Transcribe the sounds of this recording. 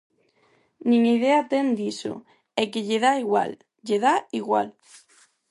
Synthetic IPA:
nĩŋið̞eat̪end̪iso̰ | ekeʎeðaiɣwa̰l | ʎeðaiɣwa̰l

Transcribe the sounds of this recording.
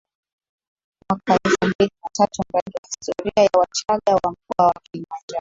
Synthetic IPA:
mwakaɛlfumbilinatatum̩ɾaɡiwahi̥stɔɾiajawat͡ʃaɠawam̩k̚uwawakilimand͡ʒa

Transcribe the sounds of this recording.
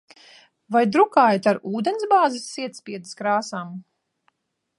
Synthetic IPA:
vajd̪ɾukaːjt̪aɾuːd̪ɛnsbaːzisːiɛt̪sʲpʲiɛd̪ɨskɾaːsaːm

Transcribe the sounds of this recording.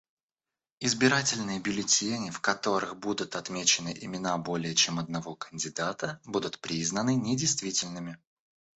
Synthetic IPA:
ɪzbʲɪɾatʲɪlʲnɨjəbʲʊlʲɪtʲenʲɪfkɐt̪o̞ɾɨxbud̪ʊt̪ɐt̪mʲet͡ɕɪnɨʔɪmʲɪnabo̞lʲɪjət͡ɕemɐd̪̚nɐvo̞kənʲdʲɪd̪at̪əbud̪ʊt̪pɾʲiznənɨnʲɪdʲɪjst̪vʲitʲɪlʲnɨmʲɪ

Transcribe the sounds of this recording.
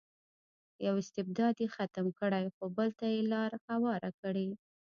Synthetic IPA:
jawɪst̪ɪb̚d̪ɑd̪jexat̪amkəɽajxobəlt̪ajelɑɾhawɑɾakəɽe

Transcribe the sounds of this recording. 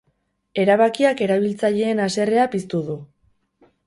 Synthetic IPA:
e̞ɾaβakiake̞ɾaβ̞ilt͡saʎe̞ːnase̞re̞apist̪uðu

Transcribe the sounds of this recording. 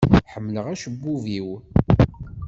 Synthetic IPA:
ħəmːləʁæʃəbːuviw

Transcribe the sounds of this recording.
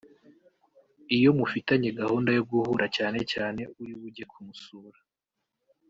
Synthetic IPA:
ijo̞mufitaɲe̞ɡahuːndajoɡuhuɾacaːne̞caːne̞uɾiβuɟe̞kʰumusuːɾa

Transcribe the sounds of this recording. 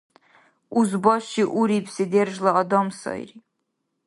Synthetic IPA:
uzbɔʃiʔuɾipsid̪ɛrʒlaɔd̪ɔmsɔ̰jɾi

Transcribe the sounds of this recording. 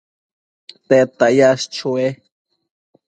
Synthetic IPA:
t̪et̪ajast͡ʃue

